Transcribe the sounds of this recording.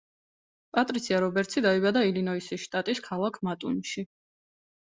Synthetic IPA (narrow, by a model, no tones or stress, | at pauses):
pʼat̪ʼɾit̪sʰiaɾɔbɛɾt̪sʰid̪aibad̪ailinɔisiʃt̪ʼat̪ʼiskʰalˠakʰmat̪ʼṵnʃi